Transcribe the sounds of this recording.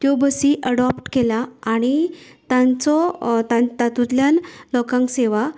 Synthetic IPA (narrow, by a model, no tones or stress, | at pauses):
t̪jɔbəsiʔəɽɔpʈkelaːɽ̃it̪ãnt͡sɔt̪at̪at̪ut̪ljanlɔkãŋkseʋa